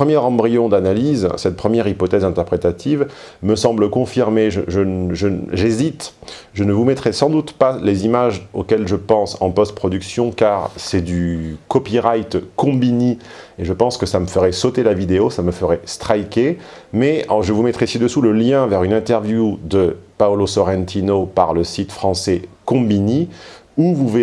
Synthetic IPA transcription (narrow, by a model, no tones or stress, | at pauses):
pχəmjɛʁɑ̃bʁijɔ̃d̪analizsɛt̪̚pχəmjɛʁipɔt̪ɛzɛ̃t̪ɛʁpχet̪at̪ʰivməsɑ̃bləkɔ̃fiʁmeʒəʒənʒəʒezit̪ | ʒənəvumɛt̪χɛsɑ̃d̪ut̪palezimaʒokʲɛlʒəpɑ̃sɑ̰̃pɔst̪̚pχɔd̪yksjɔ̃kaʁsɛd̪ykɔpiʁajt̪kɔ̃bini | eʒəpɑ̃skəsaməfəʁɛsot̪elavid̪eosaməfəʁɛst̪χajkʲemɛʒəvumɛt̪χɛesid̪əsuləljɛ̃vɛʁynɛ̃t̪ɛʁvjud̪əpaɔlosɔʁɛ̃nt̪ʰinopaʁləsit̪fχɑ̃sɛkɔ̃biniuvuve